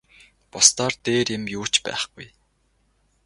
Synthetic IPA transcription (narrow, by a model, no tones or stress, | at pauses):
pɔst̪ɔːrt̪eːɾjɪ̆mjuːt͡ɕpæ̰ːχɡ̥uj